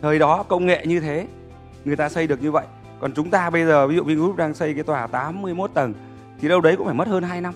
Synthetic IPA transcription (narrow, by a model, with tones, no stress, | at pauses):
t̪ʰəː˨˩jɗɔ˨˦kə˧wŋ͡mŋḛ˧˨ɲɨ˧t̪ʰe˨˦ | ŋɨ˨˩əjt̪aː˧sə˧jɗɨ˨˩ək̚ɲɨ˧və̰˧˨jʔ | kɔ˨˩nt͡ɕʊ˨˦ŋ͡mt̪aː˧ɓə˧jzəː˨˩vi˨˦zṵ˧˨vi˧ŋ˨˦˥p̚ɗaː˧ŋsə˧jkaː˨˦jt̪waː˧˩t̪aː˨˦mːɨ˧əjmo˦˥t̚t̪ə˨˩n | t̪ʰi˨˩ɗə˧wɗə˨˦jkʊ̰˧˥faː˧˩mə˦˥t̚həː˧nɦaː˧jna˧m